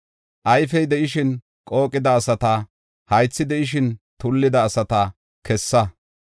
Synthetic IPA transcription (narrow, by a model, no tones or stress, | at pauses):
ʔɐjfɛjd̪ɛʔɪʃɪn | kʼo̞ːkʼːɪd̪ɐːsɐt̪ɐ | hɐjt͡sːɪd̪ɛʔɪʃ̬ɪnt̪ʊlːɪd̪ɐːsɐt̪ɐ | kʰɛsːɐ